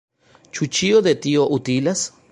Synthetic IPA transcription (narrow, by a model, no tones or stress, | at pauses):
t͡ʃut͡ʃioðet̪ioʔut̪ilas